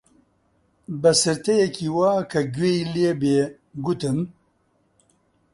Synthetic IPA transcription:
bɐsɨɾt̪ɛjɛkʰiːwaːkʰɐɡeːileːbeː | ɡut̪ɨm

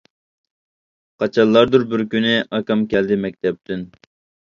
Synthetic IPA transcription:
qʰɑt͡ʃʰɑlˠːɑɾd̪uɾbɪɾkʲynɪʔɑkɑmkʲɛld̪ɪmɛk̚ʲt̪ʰɛp̚t̪ʰɪn

